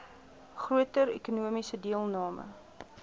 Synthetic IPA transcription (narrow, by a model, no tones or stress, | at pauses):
χruətəɾḛkunuəmisədiəlˠnɑːmə̰